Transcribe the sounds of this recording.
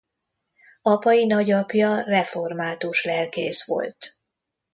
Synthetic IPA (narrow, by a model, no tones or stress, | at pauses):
ɒpɒjinɒɟɒpjɒrɛfo̞rmaːt̪uʃlɛlkḛːsʋo̞̰lt̪